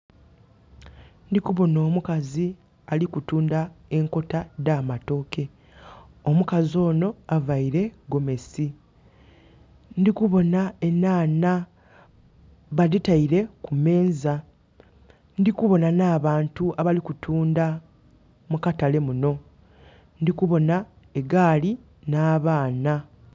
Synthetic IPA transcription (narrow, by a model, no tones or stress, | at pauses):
ndikuβo̞no̞ːmukazi | alikutuːndae̞ŋko̞tadaːmato̞ke̞ | omukazo̞ːno̞avaiɾe̞ɡo̞me̞si | ndikuβo̞naenaːna | βaðitaiɾe̞kume̞ːnza | ndikuβo̞nanaːβaːntuaβalikutʰuːnda | mukatale̞muno̞ | ndikuβo̞na | eɡaːli | naːβaːna